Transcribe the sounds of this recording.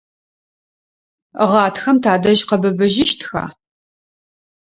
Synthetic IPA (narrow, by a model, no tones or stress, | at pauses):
ʁɑːtxɐmtʰaːdɐʒqɐbɨbɨʒɪʃtʰxa̰ː